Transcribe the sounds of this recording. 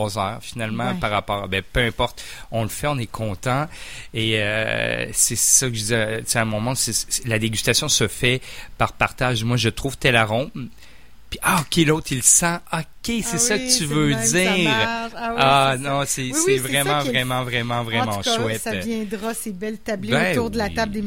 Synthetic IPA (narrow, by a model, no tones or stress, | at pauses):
ɔzœːʁfinalmɑ̃paʁːapɔːʁbɛpøɛ̃pɔʁt̪ɔ̃ləfɛɔ̃nɛkʰɔ̃t̪ɑ̃eø̰ | sɛsakəʒd̪izɛseãmɔ̃mɔ̃sɛslad̪eɡʲyst̪asjɔ̃səfɛpaʁpaʁt̪aʒmwaʒət̪χuv̥t̪ɛlaʁɔ̃p | piʔaɔkʲelot̪χilsɑ̃ɔkʲesɛsəkət̪yvød̪iːʁanɔ̃sɛsɛvʁɛmɑ̃vʁɛmɑ̃vʁɛmɑ̃vʁɛmɑ̃ʃwɛtjɛ̃d̪ʁasebɛlt̪ableɛuʁd̪əlat̪abld̪e